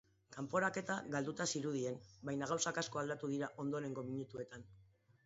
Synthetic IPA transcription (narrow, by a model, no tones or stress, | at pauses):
kampo̞ɾake̞t̪aɣald̪ut̪asiɾuð̞ie̞nbajnaɣ̞awsakasko̞ald̪at̪uð̞iɾaʔo̞nd̪o̞ɾe̞ŋɡo̞miɲut̪ue̞t̪an